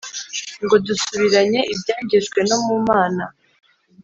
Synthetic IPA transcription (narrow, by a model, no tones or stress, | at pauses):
ŋɡo̞dusuβiɾaɲe̞ʔibjaːɲɟeʒɡwe̞no̞mumaːna